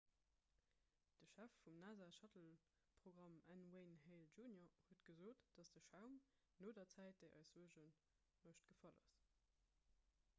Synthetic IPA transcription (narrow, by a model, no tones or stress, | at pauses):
d̥əʃæfːumnaːzaːʃɑtəl | pʁ̥oɡʁɑmænweɪnheɪlʒuːnjohuətɡ̥əzoːtd̥ɑsd̥əʃaʊm | noːdɐt͡sæɪt̚d̥əɪʔɑ̰ɪszuəʒən | moʃt̚ɡ̥əfɑlɑ̰s